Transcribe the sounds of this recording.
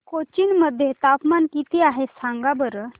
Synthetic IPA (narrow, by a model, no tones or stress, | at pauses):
kot͡ɕiːnməd̪ʱːjet̪apmankit̪iaɦesãŋɡabəɾə